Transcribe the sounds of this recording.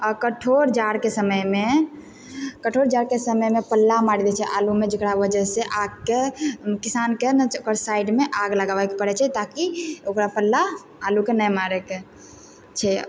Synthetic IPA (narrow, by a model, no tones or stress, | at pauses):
əkəʈʰoɾd͡ʒaɾkesəməjme | kəʈʰoɾd͡ʒaɾkesəməjmepəlːamaɽid̪ɛt͡ʃʰɛʔalumed͡ʒəkɽaʋəd͡ʒəseʔaɡ̚kekisankenɛokəɾsajɖmeʔaɡləɡabakpəɾɛt͡ʃʰɛt̪akiokɾapəlːaː | lukenɛjmaɾɛk | t͡ʃʰɛ